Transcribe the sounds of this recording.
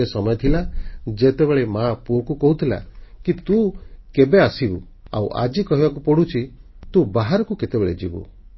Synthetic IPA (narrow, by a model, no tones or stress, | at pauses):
esɔmɔjɔt̪ʰilad͡ʒet̪ebeɭemapuɔkukɔɦut̪ʰila̰kit̪ukebeasibu | a̰wʔa̰d͡ʒikɔɦibakupɔɽut͡ʃʰi | t̪ubaɦaɾɔkuket̪ebeɭḛd͡ʒḭbṵ